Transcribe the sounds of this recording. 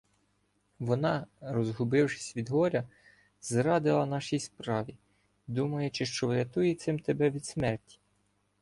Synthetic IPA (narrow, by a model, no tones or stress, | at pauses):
ʋɔnɑɾɔzɦʊbɪwʃɪ̥sʲʋʲid̪ɦɔɾʲɐ | zɾɑd̪ɪlˠɐnɑʃijspɾɑʋʲi | d̪umɐjʊt͡ʃɪʃt͡ʃɔʋɾʲɐt̪ujɛt̪sɪmt̪ebɛʋʲid̪smɛrtʲi̥